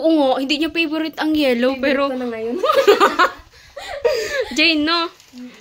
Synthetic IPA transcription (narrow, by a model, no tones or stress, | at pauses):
ʔoŋohɪ̃nd̪iɲopɛboɾɪt̪ɐŋjɛːlowpɛːɾoŋɐjon | d͡ʒɛjnːo